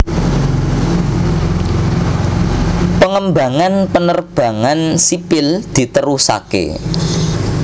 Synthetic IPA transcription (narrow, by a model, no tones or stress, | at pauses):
pəŋəmbä̤ŋanpənərb̥ä̤ŋansipɪld̪̥i̤t̪əɾusa̰kḛ